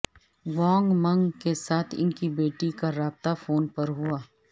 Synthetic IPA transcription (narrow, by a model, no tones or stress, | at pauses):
ʋɔːŋɡmɐ̃ŋɡkesaːt̪ʰɪ̰nkibeːʈikaɾaːb̚t̪afoːnpɐɾɦʊaː